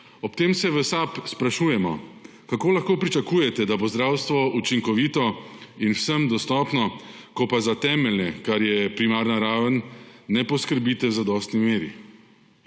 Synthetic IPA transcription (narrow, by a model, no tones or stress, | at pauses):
ɔpt̪eːmsɛʋəsapspɾaʃuːjɛmɔ̰ | kakoːlaxkoːpɾit͡ʃakuːjɛt̪ɛd̪abozd̪ɾaːwst̪ʋɔʔut͡ʃiŋkɔʋiːt̪ɔinwsəmd̪ɔst̪ɔːpnɔkɔpazat̪ɛːmɛlnɛkaɾjɛpɾimaːɾnaɾaːʋənːɛpɔskəɾbiːt̪ɛwzad̪ɔːst̪nimeːɾḭ